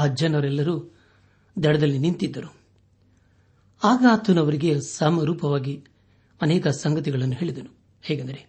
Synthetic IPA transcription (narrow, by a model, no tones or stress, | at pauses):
ɐd͡ʒjɐnɐʋɐɾɛlːɐɾuː | d̪ɛɽɐd̪ɐlːinint̪id̪ːɐɾu | aːɡɐaːt̪ːɐnɐʋɐɾiɡe̞sɐmɐɾuːpɐʋaːɡi | ɐnɛːkɐsɐŋɡɐt̪iɡɐɭɐnːuɦeːɭid̪ɐnu | hɛːɡɐnd̪ɐɾe̞